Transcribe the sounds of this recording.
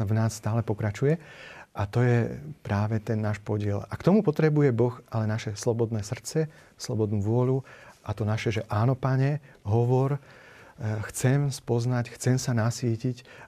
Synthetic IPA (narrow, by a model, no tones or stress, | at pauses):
vnaːsːt̪aːlɛpɔkɾat͡ʃujɛʔat̪ɔjɛpɾaːʋɛt̪ɛnːaːʃpɔɟɪɛlakt̪ɔmupɔt̪ɾɛbujɛbɔxʔalɛnaʃɛslɔbɔd̪nɛːsr̩tt͡sɛ | slɔbɔd̪nuːʋʊɔluʔat̪ɔnaʃɛʒɛʔaːnɔpaɲɛɦɔʋɔɾ | xt͡sɛmspɔznacxt͡sɛmsanasiːcic